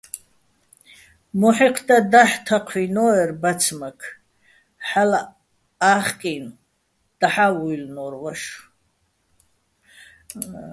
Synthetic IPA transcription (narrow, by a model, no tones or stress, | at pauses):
muħiqʰd̪ad̪aħtʰaqʷʰinoɛrbat͡sʰmakʰ | ħala | aχkʼin | d̪̥aħawujlnorwaʂ